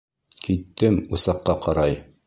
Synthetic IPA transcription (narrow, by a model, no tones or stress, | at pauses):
kit̪ːɘmusɑqːɑqɑɾɑj